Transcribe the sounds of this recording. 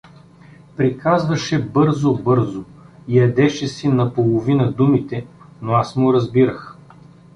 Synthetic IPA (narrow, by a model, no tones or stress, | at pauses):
pɾikʰazvɐʃɛbɤɾzobɤɾzoijɐd̪ɛʃɛsinɐpolˠovinɐd̪umit̪ɛ | noasmoɾɐzbiɾəx